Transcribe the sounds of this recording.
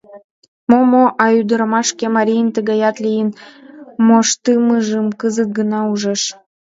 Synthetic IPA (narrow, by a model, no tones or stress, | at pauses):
momoʔɑyd̪əɾəmɑʃkemɑɾʲijənt̪əɣɑjɑt̪lijənmoʃt̪ɨmɯʒəmkəzət̪̚ɡənɑuʒəʃ